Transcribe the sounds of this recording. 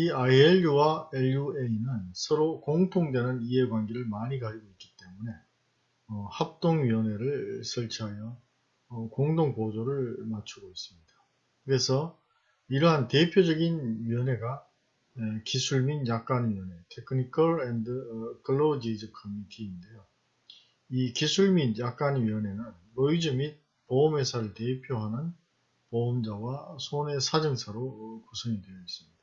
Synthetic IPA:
iaieʎːuwaelueinɯnsʰʌɾokoŋtʰoŋdwe̞nɯniɦe̞ɡwanɡiɾɯɭmaɲikaɾiɡoit̚k͈̚i̥t͈e̞mune̞ | ʌhap̚t͈oŋɥiʌne̞ɾɯɭsʰʌɭt͡ɕʰiɦajʌ | koŋdoŋpod͡ʑoɾɯɭmat͡ɕʰuɡois͈ɯmɲid̥a | kɯɾe̞sʰʌ | iɾʌɦante̞pʰjod͡ʑʌɡinɥiʌne̞ɡa | ekisʰuɭminjak̚k͈anɥiʌne̞tʰekʰɯnikʰʌɭendɯkʰɯɭːod͡ʑid͡ʑʌkʰʌmitʰiːnde̞jo | ikisʰuɭminjak̚k͈anɥiʌne̞nɯn | mʌid͡ʑumit̚ | poʌme̞sʰaɾɯɭte̞pʰjoɦanɯn | poomd͡ʑawasʰone̞sʰad͡ʑɯŋsʰaɾokusʰʌŋidwejʌis͈ɯmɲid̥a

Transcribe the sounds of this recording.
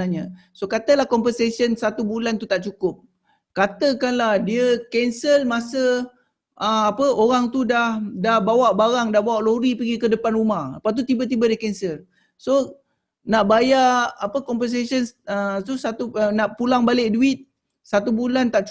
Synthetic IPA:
aɲə | sokat̪əlahkɔmpənsesənsat̪ubulant̪ut̪aʔt͡ʃukʊp̚ | kat̪əkanlahdiəkɛnsəlmasə | əapəoɾaŋt̪udahdahbawaʔbaɾaŋdahbawaʔloɾipəɡikədəpanrumaha̰pat̪̬ut̪ibət̪̬ibədəkɛnsəl | so | naʔbajaʔːpəkɔmpəns̬esənət̪usat̪uənaʔpulaŋbalɪʔduɪt̪̚ | sat̪ubulant̪aʔt͡ʃ

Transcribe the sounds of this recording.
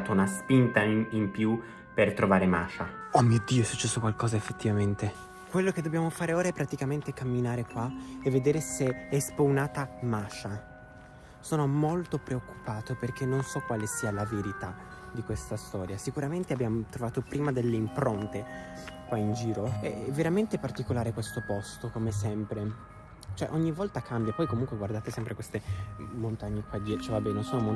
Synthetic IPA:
t̪ounaspint̪aimpju | pert̪ɾovaːɾema̰ːt͡ʃaɔmːid̪ːiːoɛsut͡ʃːɛsːokwalkɔːzaefːet̪ːivament̪e | kwelːoked̪ːobjaːmofaːɾeoːɾaɛpːɾat̪ikament̪ekamːinaːɾekwaevːed̪eːɾeseɛspownaːt̪amaːt͡ʃa | soːnomolt̪opɾeokːu̥paːt̪operk̟enːonsɔkːwaːlesiːalaveɾit̪a | d̪ikwest̪ast̪ɔːɾjasikuɾament̪eabjamot̪ɾovaːt̪opɾiːmad̪elːeimpɾont̪ekwaind͡ʒiːɾoɛ̰ɛvːeɾament̪epart̪ikolaːɾekwest̪opɔst̪okomesɛmpɾe | t͡ʃoɛʔoɲːivɔlt̪akʰambjapɔjkomuŋkweɡward̪aːt̪esɛmpɾekwest̪emont̪aɲːekwad̪iɛt͡ʃɛvabːɛːnosoːnomo

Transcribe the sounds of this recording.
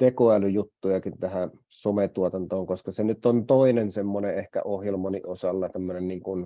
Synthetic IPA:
t̪ekoælyjut̪ːujɑkint̪æhæ | somet̪uot̪ɑnt̪oːŋkoskɑsenyt̪ːˑont̪oˑinensemːoneʔʔehkæ̰ʔohjelmɑniʔosɑlːɑt̪æmːønenniːŋkun

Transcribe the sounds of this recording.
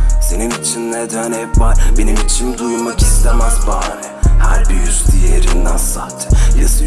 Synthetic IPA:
se̞nimit͡ʃʰinːɛd̪ønɛpvaɾbe̞nimit͡ʃʰimd̪ujmaki̥st̪ʰemæzbaːɾɛhæ̰ɾbiɾjyz̥t̪ijeɾind̪aænsaːt̪ʰi̥jasɯ

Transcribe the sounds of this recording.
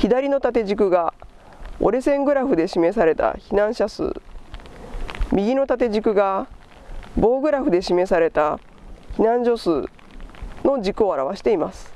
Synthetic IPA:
çid̪aɾʲino̞t̪at̪e̞ʑik̬ɯ̟ɡa | o̞̰ɾe̞sẽ̞ŋɡɯ̟ɾaɸɯ̟d̪e̞ɕime̞saɾe̞t̪a̰çinãɰ̃ɕasɨ̰ː | mʲiɡʲino̞t̪at̪e̞ʑikɯ̟ɡa | bo̞ːɡɯ̟ɾaɸɯ̟d̪e̞ɕime̞saɾe̞t̪a | çinãɲ̟d͡ʑo̞sɨː | no̞d͡ʑikɯo̞aɾaβaɕi̥t̪e̞imasɨ̥

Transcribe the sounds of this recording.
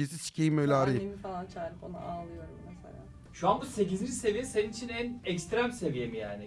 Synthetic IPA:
esisi̥cʰejimøjlʲɛaɾɯemifalˠant͡ʃʰaːɾipo̰na̰ʔaːlˠɯjo̞ɾumːɛsḛlʲa̰ː | ʃuanbuse̞cizind͡ʒise̞vijeseninit͡ʃʰinænɛkst̪ɾæmse̞vijemijaːnɪ

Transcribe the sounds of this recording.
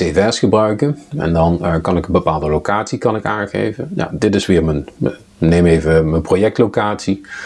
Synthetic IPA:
evɛsχəbrœɥkənɛ̰ndɑnkɑnɪkənbəpaːlˠdəlowkaːtsikɑnɪkaːnχḛjvənja̰dɪtɪsʋɪːɹmən | nejmejvəmənprojɛk̚tlowkaːtsi

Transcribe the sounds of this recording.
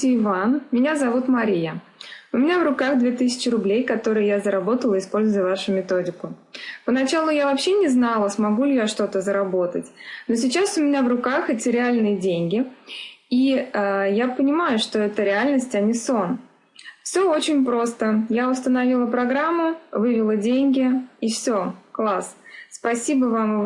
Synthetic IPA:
ɪɪvanmʲɪnʲazɐvut̪mɐɾʲijəʊmʲɪnʲavrʊkaɣd̪vʲe̞t̪ɨsʲɪ̥t͡ɕɪɾʊblʲejkɐt̪o̞ɾɨjəjazəɾɐbo̞t̪əlˠəɪspo̞lʲzʊjəvaʂʊmʲɪt̪o̞dʲɪkʊpənɐt͡ɕalˠʊjavɐpɕːe̞nʲɪznalˠəsmɐɡulʲɪjaʂt̪o̞t̪əzəɾɐbo̞t̪ətʲno̞sʲɪt͡ɕasʊmʲɪnʲavrʊkaxɛtʲɪɾʲɪalʲnɨjədʲenʲɡʲɪ | iəjapənʲɪmajʊʂt̪o̞ɛt̪əɾʲɪalʲnəsʲtʲɐnʲɪso̞n | fsʲo̞o̞t͡ɕɪnʲpɾo̞st̪əjaʊst̪ənɐvʲilˠəpɾɐɡɾamːʊvɨvʲɪlˠədʲenʲɡʲɪifsʲo̞klˠasspɐsʲibəvam

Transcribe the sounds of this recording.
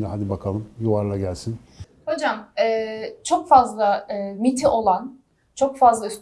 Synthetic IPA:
d̪ɛɦad̪ibakʰalˠɯmjuvaɾlˠaɟælʲsin | ho̞d͡ʒamɛːt͡ʃʰo̞kfazlˠaɯmit̪ʰiʔo̞lˠan | t͡ʃʰo̞kfazlˠays

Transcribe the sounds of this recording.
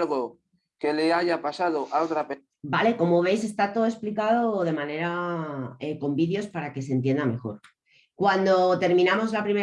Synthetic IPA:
lɣo | ke̞leaʝapasaðoʔalt̪ɾape | bale̞ko̞mo̞β̞e̞js̬e̞st̪at̪oðoe̞splikað̞oðe̞mãne̞ɾa | eko̞mbiðjo̞spaɾake̞se̞nt̪̬je̞nd̪ame̞xo̞̰ɾ | kwand̪o̞t̪e̞ɾmĩnamo̞zlapɾime

